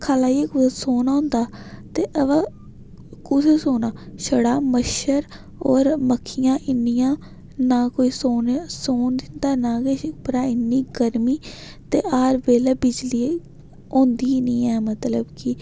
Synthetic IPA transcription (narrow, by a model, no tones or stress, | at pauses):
kʰaːlaːiek̪soːnaːʊ̃ːnd̪aːt̪eːʔəʋaː | kut̪ʰeːsoːnaːʃəɽaːməʃəɾ | ɔːɾməkʰːɪjãːʔɪnːɪjãː | naːkoːiːsoːnsoːnd̪ɪnd̪aːnaːkeʃɪk̚pəɾaːɪnːiːɡəɾmiː | t̪eːʔaːɾbeːleːbɪd͡ʒliː | õːnd̪iːniːɛːmət̪ləbkɪ